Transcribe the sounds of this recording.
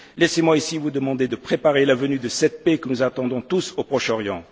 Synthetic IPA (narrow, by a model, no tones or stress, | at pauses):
lɛsemwaisivud̪əmɑ̃d̪ed̪əpχepaʁelavənyd̪əsɛt̪̚pekənuzat̪ɑ̃d̪ɔ̃t̪usopχɔʃɔʁjɑ̃